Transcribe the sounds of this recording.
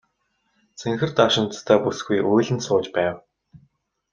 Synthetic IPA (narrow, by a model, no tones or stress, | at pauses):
t͡sʰeŋxɘ̆rt̪aʃɪ̆nt͡s̪t̪ʰæːpusɡujujɮʲɘ̆nsʊːt͡ɕpæːw